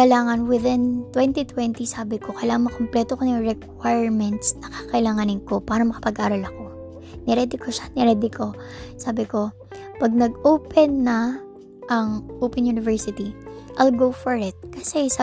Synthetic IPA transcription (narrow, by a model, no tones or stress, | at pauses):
kɐɪlaːŋɐnwɪðɪnt̪wɛnt̪it̪wɛnt̪isaːbɪko̞kɐjlaːŋɐnmɐkomplɛːt̪okonɐŋɹɛkwajɹmɛnt̪snɐkaːkɐʔɪlaːŋanɪŋko̞paːɾɐmɐkɐ̥pɐɡʔaːɾɐlɐko̞ | nɛɾɛd̪ɪkoʃanɛɾɛd̪ɪkʰo̞ | saːbɪko̞ | pɐɡ̚nɐɡʔoːpɛnːɐ | ʔɐŋʔoːpɛnjunɪvɛɹsɪt̪iʔajlɡowfɔɹɪt̪̚kɐsɛs